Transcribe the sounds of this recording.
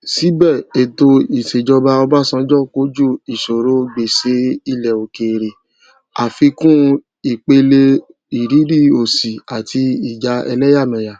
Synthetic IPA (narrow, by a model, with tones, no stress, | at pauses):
si˨˦bɛ˦˨e˨to˧i˨se˨d͡ʒɔ˧ba˧ɔ˧ba˦˨sã˧˦d͡ʒɔ˦˨ko˨˦d͡ʒu˦i˨so˨ɾo˧ɡ͡be˨se˧˦i˦˨lɛ˨o˨ke˨ɾe˨ | a˨fi˧kũ˦ | i˨k͡pe˧le˧ | i˨ɾi˨˦ɾi˦˨o˨si˨a˨tʰi˧i˨d͡ʒa˧ɛ̰˧lɛ˦ja˦˨mã˨ja˨